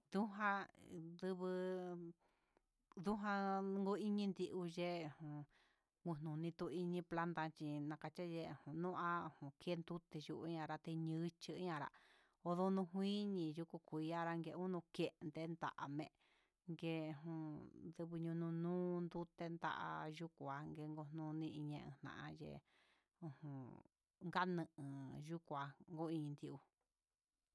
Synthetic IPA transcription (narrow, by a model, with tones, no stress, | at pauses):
d̪u˦ɦã˦˧ðɨ˧βɨ˧ | d̪u˦ɦã˧ŋɡu˧˦i˦ɲĩ˧nd̪i˧ʔu˧ʒe˦˨hũ˨ | ŋɡu˧nũ˨nĩ˧t̪u˧i˧ɲĩ˧pla˦nt̪a˧t͡ʃi˧nã˧ka˧t͡ʃa˦ʒe˧˨hũ˨nũ˦ʔa˦˧hũ˨ke˦nd̪u˦t̪e˧ju˧ʔɲã˧ɾa˧t̪e˧ɲɨ̃˧˦t͡ʃi˧˦ɲã˧ɾa̰˧ | o˧ðo˧nũ˧ɦʷĩː˦ɲĩ˧ju˧ku˧kʷi˨˧˦a˦ɾa˧ŋɡe˧ũ˦nũ˧ke˦˧ʔnd̪e˧˦nd̪a̰˨ʔa˨mẽ˧ʔ | ŋɡẽ˧˨ũ˧d̪ɨ˧βɨ˧ɲũ˧nũ˧nũː˦nd̪u˦t̪e˧nd̪a̰˦ʔa̰˧ʒu˦ku˧˨a˧ŋɡe˧˦ŋɡo˧˨nũː˧nĩ˦ʔĩ˧ɲẽ˧ʔḛ̃˧n̥ã̰˨ʔã˧jḛ˧ | ũ˧hũ˨ | ŋɡa˦nɨ̃˧ʔɨ̃˨ʒu˦kʷa˧ŋɡo˦ĩ˧nd̪i˧ʔu˧